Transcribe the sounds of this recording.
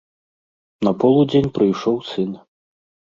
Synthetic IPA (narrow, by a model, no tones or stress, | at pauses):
nɐpɔlˠud͡zʲenʲpɾɨjʂɔwsɨn